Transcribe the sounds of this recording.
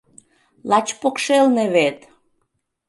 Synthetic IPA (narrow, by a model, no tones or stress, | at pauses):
lɑt͡ɕpokʃelneβet̪